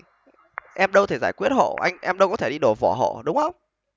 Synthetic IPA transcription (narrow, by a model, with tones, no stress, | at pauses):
ʔɛ˧mɗə˧wt̪ʰe˧˩zaː˧˩jkwi˦˥ət̚ho̰˧˨ʔa̰˧jŋ̟ʔɛ˧mɗə˧wkɔ˨˦t̪e˧˩ɗi˧ɗo˧˩vɔ˧˩ɦo̰˧˨ɗʊ˨˦ŋ͡mxə˧wŋ͡m